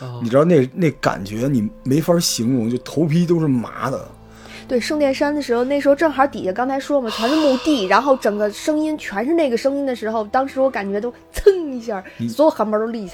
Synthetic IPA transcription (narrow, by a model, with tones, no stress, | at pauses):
ni˨˩ʈ͡ʂɻ̩˥d̪ɑ˥˧ne˥˩ne˥˩ka̰˨˩nt͡ɕɥɛ˧˥ni˨˩me˧˥ɪfə˥ɕi˧˥ŋɻʊ˧˥ŋt͡ɕjo˥˩t̪ʰo˧˥ʊpʰi˥t̪o˥ʊʂɻ̩˥˩ma̰˧˥d̪ə̰˧˨ | t̪we˥˩ɪʂɤ˥˧ŋt̪jɛ˥˩nʂa˥nd̪ə˨˩ʂɻ̩˧˥xo˧ʊn˥˩ʂɻ̩˧˥xʈ͡ʂɤ˥˩ŋxɑ˧˥t̪i˨˩t͡ɕɛ˧˥kɑ˥ŋt͡sʰɪʂwɔ˥mə˨t͡ɕʰɥɛ˧˥nə˧mu˥˧t̪i˥˩ɻa˧˥nxo˥˩ʊʈ͡ʂɤ˨˩ŋɡə˦ʂɤ˥ŋi˥nt͡ɕʰɥɛ˧˥nʂɻ̩˥˧ne˥˩ɡə˩ʂɤ˥ŋi˥nd̪ə˨ʂɻ̩˧˥xo˧ʊt̪ɑ˥ŋʂɻ̩˧˥wɔ˧˥ka˨˩nt͡ɕɥɛ˧˥t̪o˥ʊt͡sʰɤ˥˩ŋi˧˥ɕja˥˩swɔ˧˥jo˨˩ʊxa˧˥npə˧˥˩t̪o˧˥˧li˥˩˧